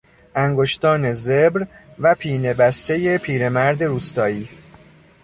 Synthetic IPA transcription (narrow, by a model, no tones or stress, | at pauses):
ʔæŋɡo̞ʃt̪ɒːne̞zebɾvæpʰiːne̞bæst̪ʰe̞je̞pʰiːɾe̞mæɾd̪e̞ɾuːst̪ɒːiː